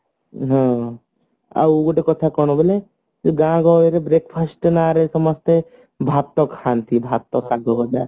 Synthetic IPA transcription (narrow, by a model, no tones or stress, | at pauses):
ɦɔ̃ | a̰wɡoʈekɔt̪ʰakɔɽ̃ɔ̃bele | d͡ʒeɡãɡɔeɾebɾekpʰasʈnaɾesɔmɔst̪e | bʱap̚t̪ɔkʰːant̪ʰibʱab̚t̪ɔkːaɡɔɡɔd̪a